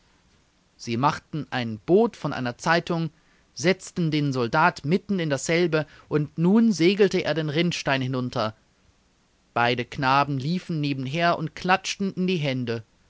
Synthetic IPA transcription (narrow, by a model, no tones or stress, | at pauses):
z̥iːmaχtn̩ʔaɪnb̥oːtfɔnʔa̰ɪnɐt͡saɪtʊŋ | zɛt͡stn̩deːnzɔldaːtmɪtn̩ɪndasz̥ɛlbə | ʔʊntnuːnzeːɡl̩təʔḛːɐdeːnʁɪntʃtaɪnhɪnʊntʰɐ | b̥aɪdəknaːbm̩liːfn̩neːbm̩ɦeːɐʔʊ̰ntkʰl̥at͡ʃtn̩ɪndiːɦɛndə